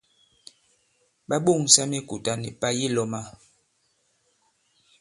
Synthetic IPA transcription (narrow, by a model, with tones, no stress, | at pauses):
ɓa˦ɓo˦˨ŋsa˦mi˦ku˨ta˦nḭ˨pa˦ji˦lɔ˦ma˦